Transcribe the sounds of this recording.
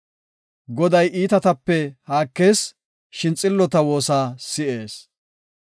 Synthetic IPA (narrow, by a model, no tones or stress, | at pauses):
ɡɔd̪ɐjiːt̪ɐt̪ɐpːɛhaːkːe̞ːs | ʃɪnt͡sʼːɪlːɔt̪ɐwo̞ːsaːsɪʔe̞ːs